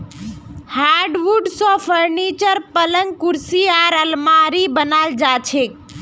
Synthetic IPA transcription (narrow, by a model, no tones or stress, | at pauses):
haɖʋuɖsɔːpʰəɾnit͡ʃəɾpələŋɡ̚kʊɾsiaːɾəlmaːɾibənaːld͡ʒaːt͡ʃʰek